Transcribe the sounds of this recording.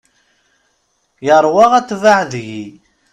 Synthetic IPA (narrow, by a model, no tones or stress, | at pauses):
jəɾˤwɑʁæt͡sːvaʕðʝi